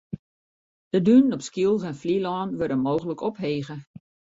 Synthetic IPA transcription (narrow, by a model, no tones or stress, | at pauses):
d̥ədynnɔpskiəlˠvɛnflilɔːnʋørdəmoːɣələkɔpɦeːɣə